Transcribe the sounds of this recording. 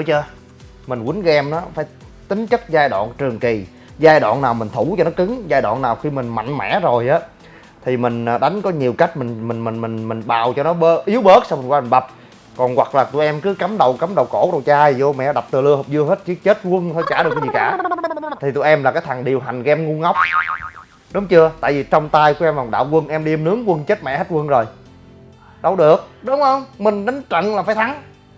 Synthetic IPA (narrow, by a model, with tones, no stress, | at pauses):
ṵ˧˦t͡ɕəː˧ | mï˨˩ŋ̟kwi˨˦nɣɛ˧mnɔː˨˦faː˧˩˦j | t̪ï˨˦ŋ̟t͡ɕɨ˦˥t̚zaː˧jɗwa̰ː˧˨nt͡ɕɨ˨˩əŋki˨˩ | zaː˧jɗwa̰ː˧˨nːaː˨˩wmï˨˩ŋ̟t̪ʰu˧˩t͡ɕɔ˧nɔ˨˦kɨ˨˦ŋzaː˧jɗwa̰ː˧˨nːaː˨˩wxi˧mï˨˩ŋ̟ma̰˧˨jŋ̟mɛ̰˧˩˥zo˨˩jʔaː˨˦ | t̪ʰi˨˩mï˨˩ŋ̟ː˨˩ɗa˨˦jŋ̟kɔ˨˦ɲi˨˩əwka˦˥jk̟̚mi˨˩ŋ̟mï˨˩ŋmï˨˩ŋmï˨˩ŋ̟mi˨˩ŋ̟ɓaː˨˩wt͡ɕɔ˧nɔ˨˦ɓə˦ʔi˨˦əwɓəː˦˥t̚sa˧wŋ͡mmi˨˩ŋwaː˧mi˨˩nɓa˨˩p̚ | kɔ˨˩nwa̰˨˩k̚laː˨˩t̪ṵ˧˨jʔɛ˧mkɨ˨˦ka˨˦mɗə˨˩wka˨˦mɗə˨˩wko˧˩ɗə˨˩wt͡ɕaː˧i˨˩zo˧mɛ̰˧˨ɗa˨˩p̚t̪ɨ˨˩lɨ˧əɦə˨˩p̚zɨ˧əɦe˦˥t̚t͡ɕi˧˦t͡ɕe˦˥t̚kwə˧nt̪ʰə˧jt͡ɕaː˧˩ɗɨ˨˩k̚zi˨˩˨kaː˧˩t̪ʰi˨˩t̪ṵ˧˨jʔɛ˧mlaː˨˩kaː˨˦jt̪ʰa˨˩ŋɗi˨˩əwɦa˨˩jŋ̟ɣɛ˧mŋu˧ŋa˦˥wk͡p̚ | ɗʊ˨˦ŋ͡mt͡ɕɨ˧ət̪a̰ː˧˨jvi˨˩t͡ɕɔ˧wŋ͡mt̪aː˧jku˧˩˦ʔɛ˧mla˨˩ɗa̰ː˧˨wkwə˧nʔɛ˧mɗi˧əmnɨ˨˦əŋkwə˧nt͡ɕə˦˥t̚mɛ̰˧˨he˦˥t̚wə˧nzo˨˩j | ɗə˨˧˩wɗɨ˨˩ək̚ɗʊ˨˦wŋ͡mhə˧wŋ͡mmï˨˩ŋ̟ɗa˨˦ŋ̟t͡ɕə̰˧˨nlaː˨˩faː˧˦jt̪ʰa˨˦ŋ